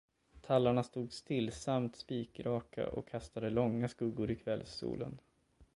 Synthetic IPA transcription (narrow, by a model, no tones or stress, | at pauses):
t̪ʰalːaɳast̪uːɡst̪ɪlːsamt̪spiːkɾɑːkʰa̰ʔɔ̰kʰːast̪ad̪əlɔŋːaskɵɡːʊɾɪkʰvɛlsṵːlə̰n